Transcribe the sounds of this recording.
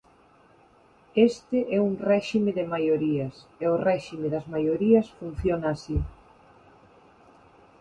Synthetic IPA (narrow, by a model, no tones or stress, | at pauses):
est̪ɪʔɛuŋrɛʃimeðɪmajoɾiɐseorɛʃimeðɐzmajoɾiɐsfun̟θjonaːsi